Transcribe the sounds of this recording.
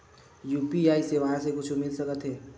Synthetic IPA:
juːpiaːiseʋəɦãsekʊt͡ʃʰmɪlsəkət̪ɦɛː

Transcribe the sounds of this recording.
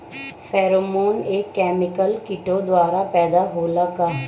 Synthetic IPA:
fʰɛːɾoːmoːneːkːɛːmɪkəlkɪʈod̪waːɾapɛːd̪aɦoːlaka

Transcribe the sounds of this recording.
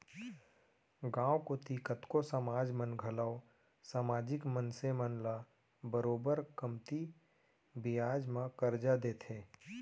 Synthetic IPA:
ɡãːwkot̪ikət̪kosəmaːd͡ʒmənɡʱəlaːo | saːmaːd͡ʒɪkmənsemənla | bəɾoːbəɾkəmt̪i | bɪjaːd͡ʒmãkəɾd͡ʒad̪eːt̪ʰẽː

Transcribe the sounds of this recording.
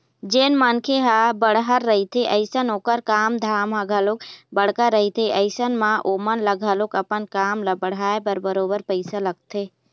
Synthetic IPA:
d͡ʒeːnmankʰeɦabəɽ̤ɦəɾːəɦit̪ʰeʔɐɪsənoːkəɾkaːmd̪ʱaːməɡʱəlokbəɽ̤kəɾəɦit̪ʰeʔɐɪsənmãʔoːmənləɡʱəlokɐpənkaːmləbəɽ̤aːepəɾbəɾoːbəɾpəɪsalɐɡ̚t̪ʰe

